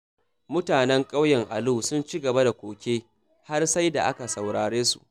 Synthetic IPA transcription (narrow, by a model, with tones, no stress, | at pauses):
mʊ˦taː˨nɛ˦ŋkʼa˦wjɛ˨ŋʔa˨luː˦˨sʊ˦nt͡ʃi˦ɡɐ˨ba˦da˨kʷoː˨kʲeː˦ | ha˦rsa˦jda˨ʔa̰˦ka˨sa˨wɽaː˨ɽeː˦sṵ˨ʔ